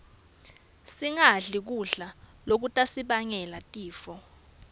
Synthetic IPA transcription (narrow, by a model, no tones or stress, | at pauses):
siŋaɮik̬uɮalok̬utʼasiɓaŋɛlatʼiːfɔ